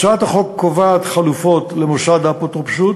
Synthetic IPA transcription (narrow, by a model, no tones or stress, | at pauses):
ʃat̪aχo̞kːovaːt̪χalufot̪lemoʃad̪apot̪ʁopʃut̪